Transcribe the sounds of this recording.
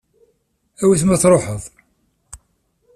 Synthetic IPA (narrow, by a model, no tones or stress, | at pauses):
æwiθmæθɾˤoħəðˤ